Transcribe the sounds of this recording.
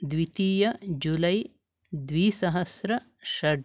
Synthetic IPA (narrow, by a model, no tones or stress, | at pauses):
d̪wit̪iːjɐd͡ʒulɐj | d̪ʋiːsɐɦɐsɾɐ | ʃɐɖ